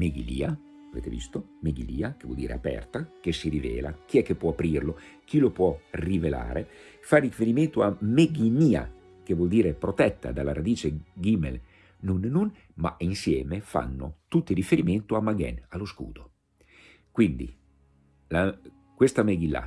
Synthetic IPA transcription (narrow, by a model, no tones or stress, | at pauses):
meɡilḭːa | avḛt̪evḭst̪o | meɡiliːak̟evwɔ̰ld̪iːɾḛapɛ̰rt̪akesːiɾivɛ̰ːlak̟iɛkːepːwɔapɾirlo | k̟ilopwɔrivela̰ːɾe | farːifeɾiment̪oameɡiniːa̰ | k̟evwɔld̪iːɾepɾot̪ɛt̪ːa̰d̪alːaɾad̪iːt͡ʃeɡimḛl | nːunːun | ma̰insjɛːmefa̰nːo̰t̪ut̪ːirifeɾiment̪oamaɡɛ̰nalːoskṵːd̪̥o | kwind̪ḭ | la | kwest̪ameɡilːa̰